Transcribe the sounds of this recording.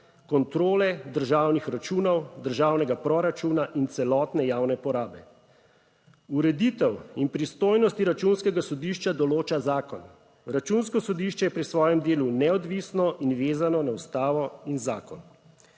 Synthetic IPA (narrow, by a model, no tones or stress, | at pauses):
kɔnt̪ɾoːlɛd̪əɾʒaːwnixɾat͡ʃuːnɔwd̪əɾʒaːwnɛɡapɾɔɾat͡ʃuːnaʔint̪sɛlɔːt̪nɛjaːwnɛpɔɾaːbɛ | uɾɛd̪iːt̪ɛwinpɾist̪oːjnɔst̪iɾat͡ʃuːnskɛɡasɔd̪iːʃt͡ʃad̪ɔloːt͡ʃazaːkɔn | ɾat͡ʃunskɔsɔd̪iʃt͡ʃɛjɛpɾisʋɔːjɛmd̪eːlunɛɔd̪ʋiːsnɔʔinʋeːzanɔnaust̪aːʋɔinzaːkɔn